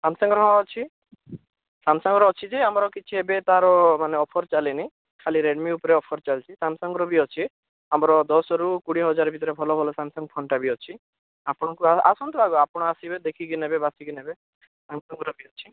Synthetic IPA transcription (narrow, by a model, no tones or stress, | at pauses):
samsɔŋɡɾɔɦaɔt͡ʃʰi | samsɔŋɡɾɔɔt͡ʃʰid͡ʒeamɾɔkit͡ʃʰiebet̪aɾɔmaneɔpʰɔɾt͡ʃalini | kʰaliɾeɖmiupɔɾeɔpʰɔɾt͡ʃalt͡ʃʰisamsɔŋɡɾɔbiɔt͡ʃʰi | amɾɔd̪ɔsɔɾukuɽiɦɔd͡ʒaɾbʱit̪ɔɾebʱɔlɔbʱɔlɔsamsɔŋɡpʰɔɳʈabiɔt͡ʃʰi | apɔɽ̃ɔkuaasɔnt̪ɔbaɡɔapɔɽ̃asibed̪ekʰiɡinebebasiɡinebe | samsɔŋɡɔɾɔbiɔt͡ʃʰi